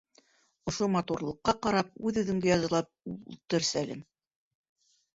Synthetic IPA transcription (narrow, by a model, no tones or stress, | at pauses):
ŏʃomɑt̪uɾlˠɤ̆qːɑqɑɾɑp̚ʉðʉðɵ̆ŋɡɘjɑzɤ̆lˠɑp̚ulˠt̪ɤɾsælɘ̰m